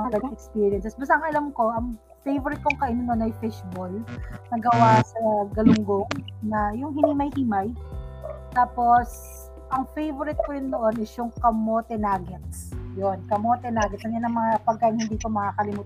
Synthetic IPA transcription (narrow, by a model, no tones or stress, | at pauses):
ɐɡɐd̪ɐŋɛkspiːɹjɐnsɛsbɐs̬aʔɐŋʔɐlɐmko̞ʔɐŋ | fejvoɾɪt̪̚koŋkɐʔɪnɪnonɐjfɛʃbolnɐɡɐwasɐɡɐlʊŋɡoŋnɐjʊŋɦɪnimɐjhimaj | t̪aːpo̞s | ʔɐŋfejvoɾɪt̪̚kojʊnːoʔo̞nʔɛsjʊŋkɐmot̪ɛnaːɡɪt̪̚jonkɐmot̪ɛnaːɡɪt̪̚ɐŋjɐnɐŋmɐŋapɐɡ̚kːaːʔɪnhɪnd̪iːk̪omɐkakɐlɪmuːt̪a